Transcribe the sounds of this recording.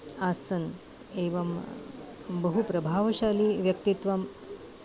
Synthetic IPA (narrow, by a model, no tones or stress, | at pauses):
aːsɐn | eːʋɐm | bɐɦupɾɐbʱaːʋɐʃaːliːʋjɐkt̪it̪ʋɐm